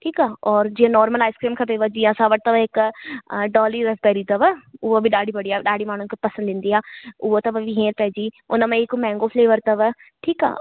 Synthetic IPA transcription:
ʈʰiːkaːɔːɾd͡ʒiːãːnɔːɾməlaːɪskɾiːmkʰəp̬eʋəd͡ʒiːãːsaːʋəʈ̚t̪əʋəɪk | ɖɔːliːɾəsbɛːɾiːt̪əʋəʊoːbiɖaːɽiːpəɽiːaːɖaːɽiːmaːñũːkepəsə̃nd̪ɪ̃nd̪iːaːʊʋot̪əʋəʋiɦẽːɾpɛːd͡ʒiː | ʊnãːmãɪkmɛ̃ːŋɡoːpʰleːʋəɾt̪əʋə | ʈʰiːka̰ː

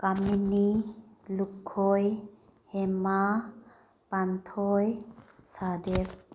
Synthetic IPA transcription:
kaminilukʰːɔj | hɛma | pant̪ʰɔjsad̪ep

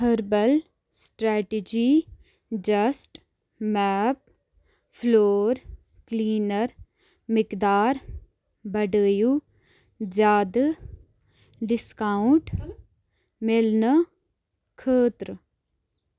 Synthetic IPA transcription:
ɦəɾbəl | sʈɾɛːʈed͡ʒiː | d͡ʒɐsʈ | mɛːp̚ | pʰloːɾ | kliːnəɾ | mɪkd̪aːɾ | bəɖəːju | zjaːd̪ə | ɖɪskaːʊɳʈ | melnə | kʰəːt̪ɾ

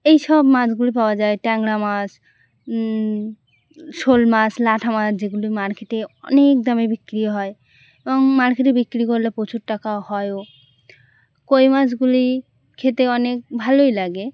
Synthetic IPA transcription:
ejʃɔbmat͡ɕɡulipaoad͡ʑaeʈɛŋɡɽamas | ʃolmaslaʈʰamat͡ʃʰd͡ʑeɡulimaɾkeʈeɔ̰nek̚d̪ɔmebikːɾiɦɔe | ebɔŋmaɾkeʈebikːɾikoɾlepot͡ɕʰuɾʈakahɔeo | kojmad͡ʑɡuli | kʰet̪eɔnek̚bʱalojlaɡe

